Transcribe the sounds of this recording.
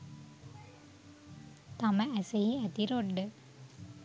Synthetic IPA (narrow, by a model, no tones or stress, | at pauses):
t̪aməæsejiæt̪iɾoɖːə